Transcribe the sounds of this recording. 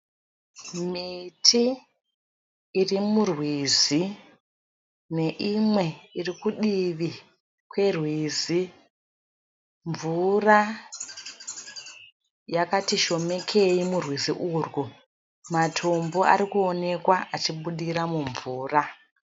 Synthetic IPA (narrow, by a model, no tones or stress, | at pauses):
mitʰi | rimurwizi | ne̞ʔimwe̞irikuɗiʋi | kwe̞rwiːzi | ɱvura | jakatiʃo̞me̞kʰe̞imurwiziʔuːrɡu | matʰo̞mbo̞ʔa̰ɾikuone̞kwaʔat͡ʃiɓuɗiɾamuɱvuːra